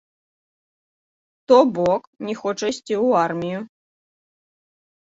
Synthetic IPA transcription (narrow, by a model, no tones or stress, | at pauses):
t̪ɔbɔknʲɛxɔt͡ʂɐsʲt͡sʲiwarmʲiju